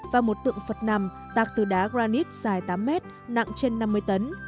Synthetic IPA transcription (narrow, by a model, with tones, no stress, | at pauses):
vaː˨˩mo˨˩t̚t̪ɨ̰˧˨əŋfə˨˩t̚na˧˩m | t̪aː˨˩k̚t̪ɨ˨˩ɗaː˨˦ɣzaː˧ni˦˥k̚z̥aː˨˩jt̪aː˨˦mːɛ˦˥t̚ | na̰˧˨ŋt͡ɕe˧nːa˧mːɨ˧əjt̪ə˨˦n